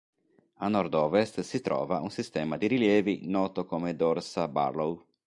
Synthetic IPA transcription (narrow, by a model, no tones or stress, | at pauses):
anɔɾd̪ɔːvest̪sit̪ɾɔ̰ːva̰ʔunsist̪ɛːmad̪iɾiljɛːvinɔːt̪okomed̪ɔɾsaba̰ɾlow